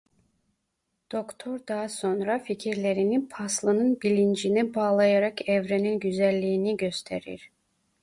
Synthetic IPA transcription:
d̪̥o̞kt̪ʰo̞ɾd̪ɑɦaso̞nɾaficʰiɾlʲe̞ɾinipʰɑslˠɯnɯnbilʲind͡ʒinibaːlˠɑjaɾɑkʰɛvɾeninɟyzælʲːiːniɟø̞st̪ʰeɾḭɾ̥

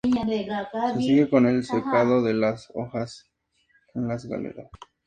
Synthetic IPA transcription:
sesiɣekonelsekaðoðelaso̰xas | enlasɣa̰lḛɾas

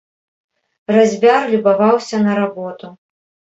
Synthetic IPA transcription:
razʲvʲarlʲubavawsʲɐnɐɾabɔt̪u

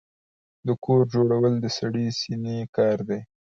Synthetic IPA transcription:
d̪əkʰoɾd͡ʒoɽawəld̪əsaɽisinekɑɾd̪e

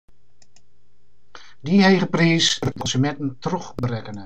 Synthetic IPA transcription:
dihejəpriːskɔnsəmɛtn̩trɔχbrɛkənə

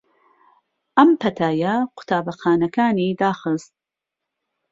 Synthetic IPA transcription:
ʔɐmpʰɐt̪ʰaːjɐqʰʊ̥t̪ʰaːbɐxaːnɐkʰaːniːd̪aːxɨst̪̚

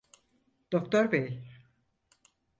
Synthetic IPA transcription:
d̪̥okt̪oɾbej

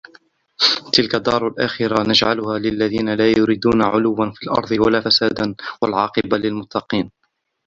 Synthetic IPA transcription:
t̪ɪlkad̪ːɑːɾˤalʔaxɪɾanad͡ʒʕalʊhaːlɪlːaðiːnalaːjʊɾiːd̪uːnaʕʊ̰lʊwːanfiːlʔɑ̰ɾˤd̪ˤɨwalaːfasaːd̪anwalʕɑːqɨbalɪlmʊt̪ːɑqiːn

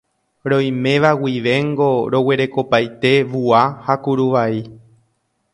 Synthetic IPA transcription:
ɾõ̞j̃mẽ̞ʋawiʋe̞ŋɡo̞ɾo̞we̞ɾe̞ko̞pajt̪e̞ʋuahakuɾuʋai

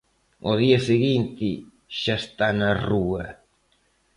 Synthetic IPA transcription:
oðiɐseɣint̪ɪ | ʃaest̪anɐruɐ

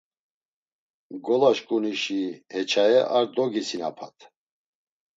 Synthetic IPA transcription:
ɡɔlaʃkʼuniʃihɛt͡ʃʰaɛʔaɾd̪ɔɡisina̰pʰa̰t̪ʰ

